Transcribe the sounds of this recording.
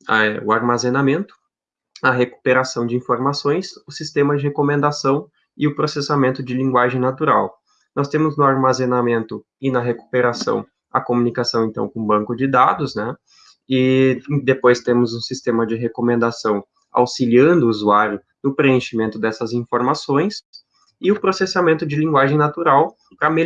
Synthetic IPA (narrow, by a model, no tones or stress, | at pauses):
ɐɛʊaɾmazenamẽnt̪ʊ̥ | ɐɦeku̥peɾasɐ̃w̃d͡ʒɪĩfoɾmasõj̃sʊsist̪ẽmɐd͡ʒɪɦekomẽnd̪asɐ̃w̃ | ɪʊpɾosesamẽnt̪ʊd͡ʒɪlĩŋɡwaʒẽj̃nat̪uɾa̰w | nɔst̪ẽmʊznʊaɾmazenamẽnt̪ʊ | ɪnɐɦeku̥peɾasɐ̰̃w̃ | ɐ̰komunikasɐ̃w̃ẽnt̪ɐ̰̃w̃kõbɐ̃ŋkʊd͡ʒɪd̪ad̪ʊznɛ | ɪd̪epojst̪ẽmʊzũsist̪ẽmɐd͡ʒɪɦekomẽnd̪asɐ̃w̃ | a̰wsiliɐ̃nd̪ʊuzuaɾjʊ | nʊpɾeẽʃimẽnt̪ʊd̪ɛsɐzĩfoɾmasõj̃s | ɪʊpɾosesamẽnt̪ʊd͡ʒɪlĩŋɡwaʒẽj̃nat̪uɾaw | pɾɐme